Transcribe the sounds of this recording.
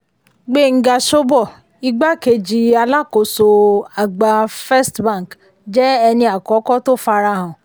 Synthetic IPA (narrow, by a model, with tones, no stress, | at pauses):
ɡ͡be˦˨ŋ̩˦ɡa˧˨ʃo˦bɔ˦˨ | i˧ɡ͡ba˦ke˧d͡ʒi˧a˧la˦ko˨so˧a˨ɡ͡ba˧fɛ˦stbã˦˨k | d͡ʒɛ˦ɛ˧nĩ˧a˨kɔ˨˦kɔ˦to˦˨fa˧ɾa˧˦˨ɦɔ̃˨